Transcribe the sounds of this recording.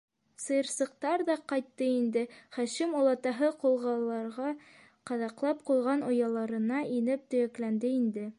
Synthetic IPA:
sɤ̆jɤ̆ɾsɤ̆q̚t̪ɑɾðɑqɑjt̪ːɤind̪ɘχæʃɘmulˠɑt̪ɑɦɤqulˠʁɑlˠːɑɾʁɑ | qɑðɑqlˠɑp̚qulˠʁɑnŏjɑlˠɑɾɤ̆nɑʔinɘp̚t̪ɵ̆jæklænd̪ɘind̪ɘ

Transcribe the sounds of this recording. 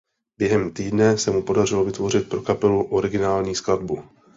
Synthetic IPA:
bjɛɦɛmt̪iːdnɛsɛmupo̞dar̝ɪlo̞vɪt̪vo̞r̝ɪt̪̚pɾo̞kapɛluʔo̞ɾɪɡɪnaːlɲiːskladbu

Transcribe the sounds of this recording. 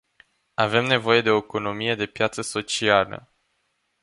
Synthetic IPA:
ave̞mne̞vo̞je̞d̪e̞o̞eko̞no̞mije̞d̪e̞pjat̪səso̞t͡ʃialə̰

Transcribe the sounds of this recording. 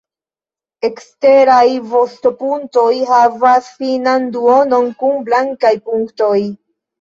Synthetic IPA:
e̞kste̞ɾajvo̞stopunto̞jɦavasfinanduo̞no̞nkunblaŋkajpuŋkto̞j

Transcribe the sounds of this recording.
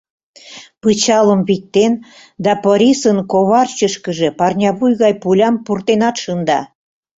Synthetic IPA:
pɯt͡ɕɑləmβik̚t̪en | d̪ɑpoɾʲisənkoβɑrt͡ɕəʃkəʒepɑrnʲɑβujɣɑjpulʲɑmpurt̪enɑt̪ʃənd̪ɑ̰

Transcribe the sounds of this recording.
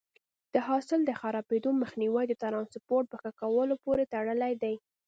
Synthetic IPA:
d̪̥əɦɑsɪld̪əxaɾɑbed̪oməxniwajd̪ət̪aɾɑnsɪpoɾʈ̚pəxkakawəlopoɾet̪aɽəlajd̪aj

